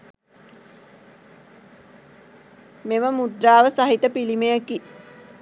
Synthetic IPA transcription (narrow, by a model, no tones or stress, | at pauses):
meməmud̪ɾaːʋəsaɦit̪əpilimejəki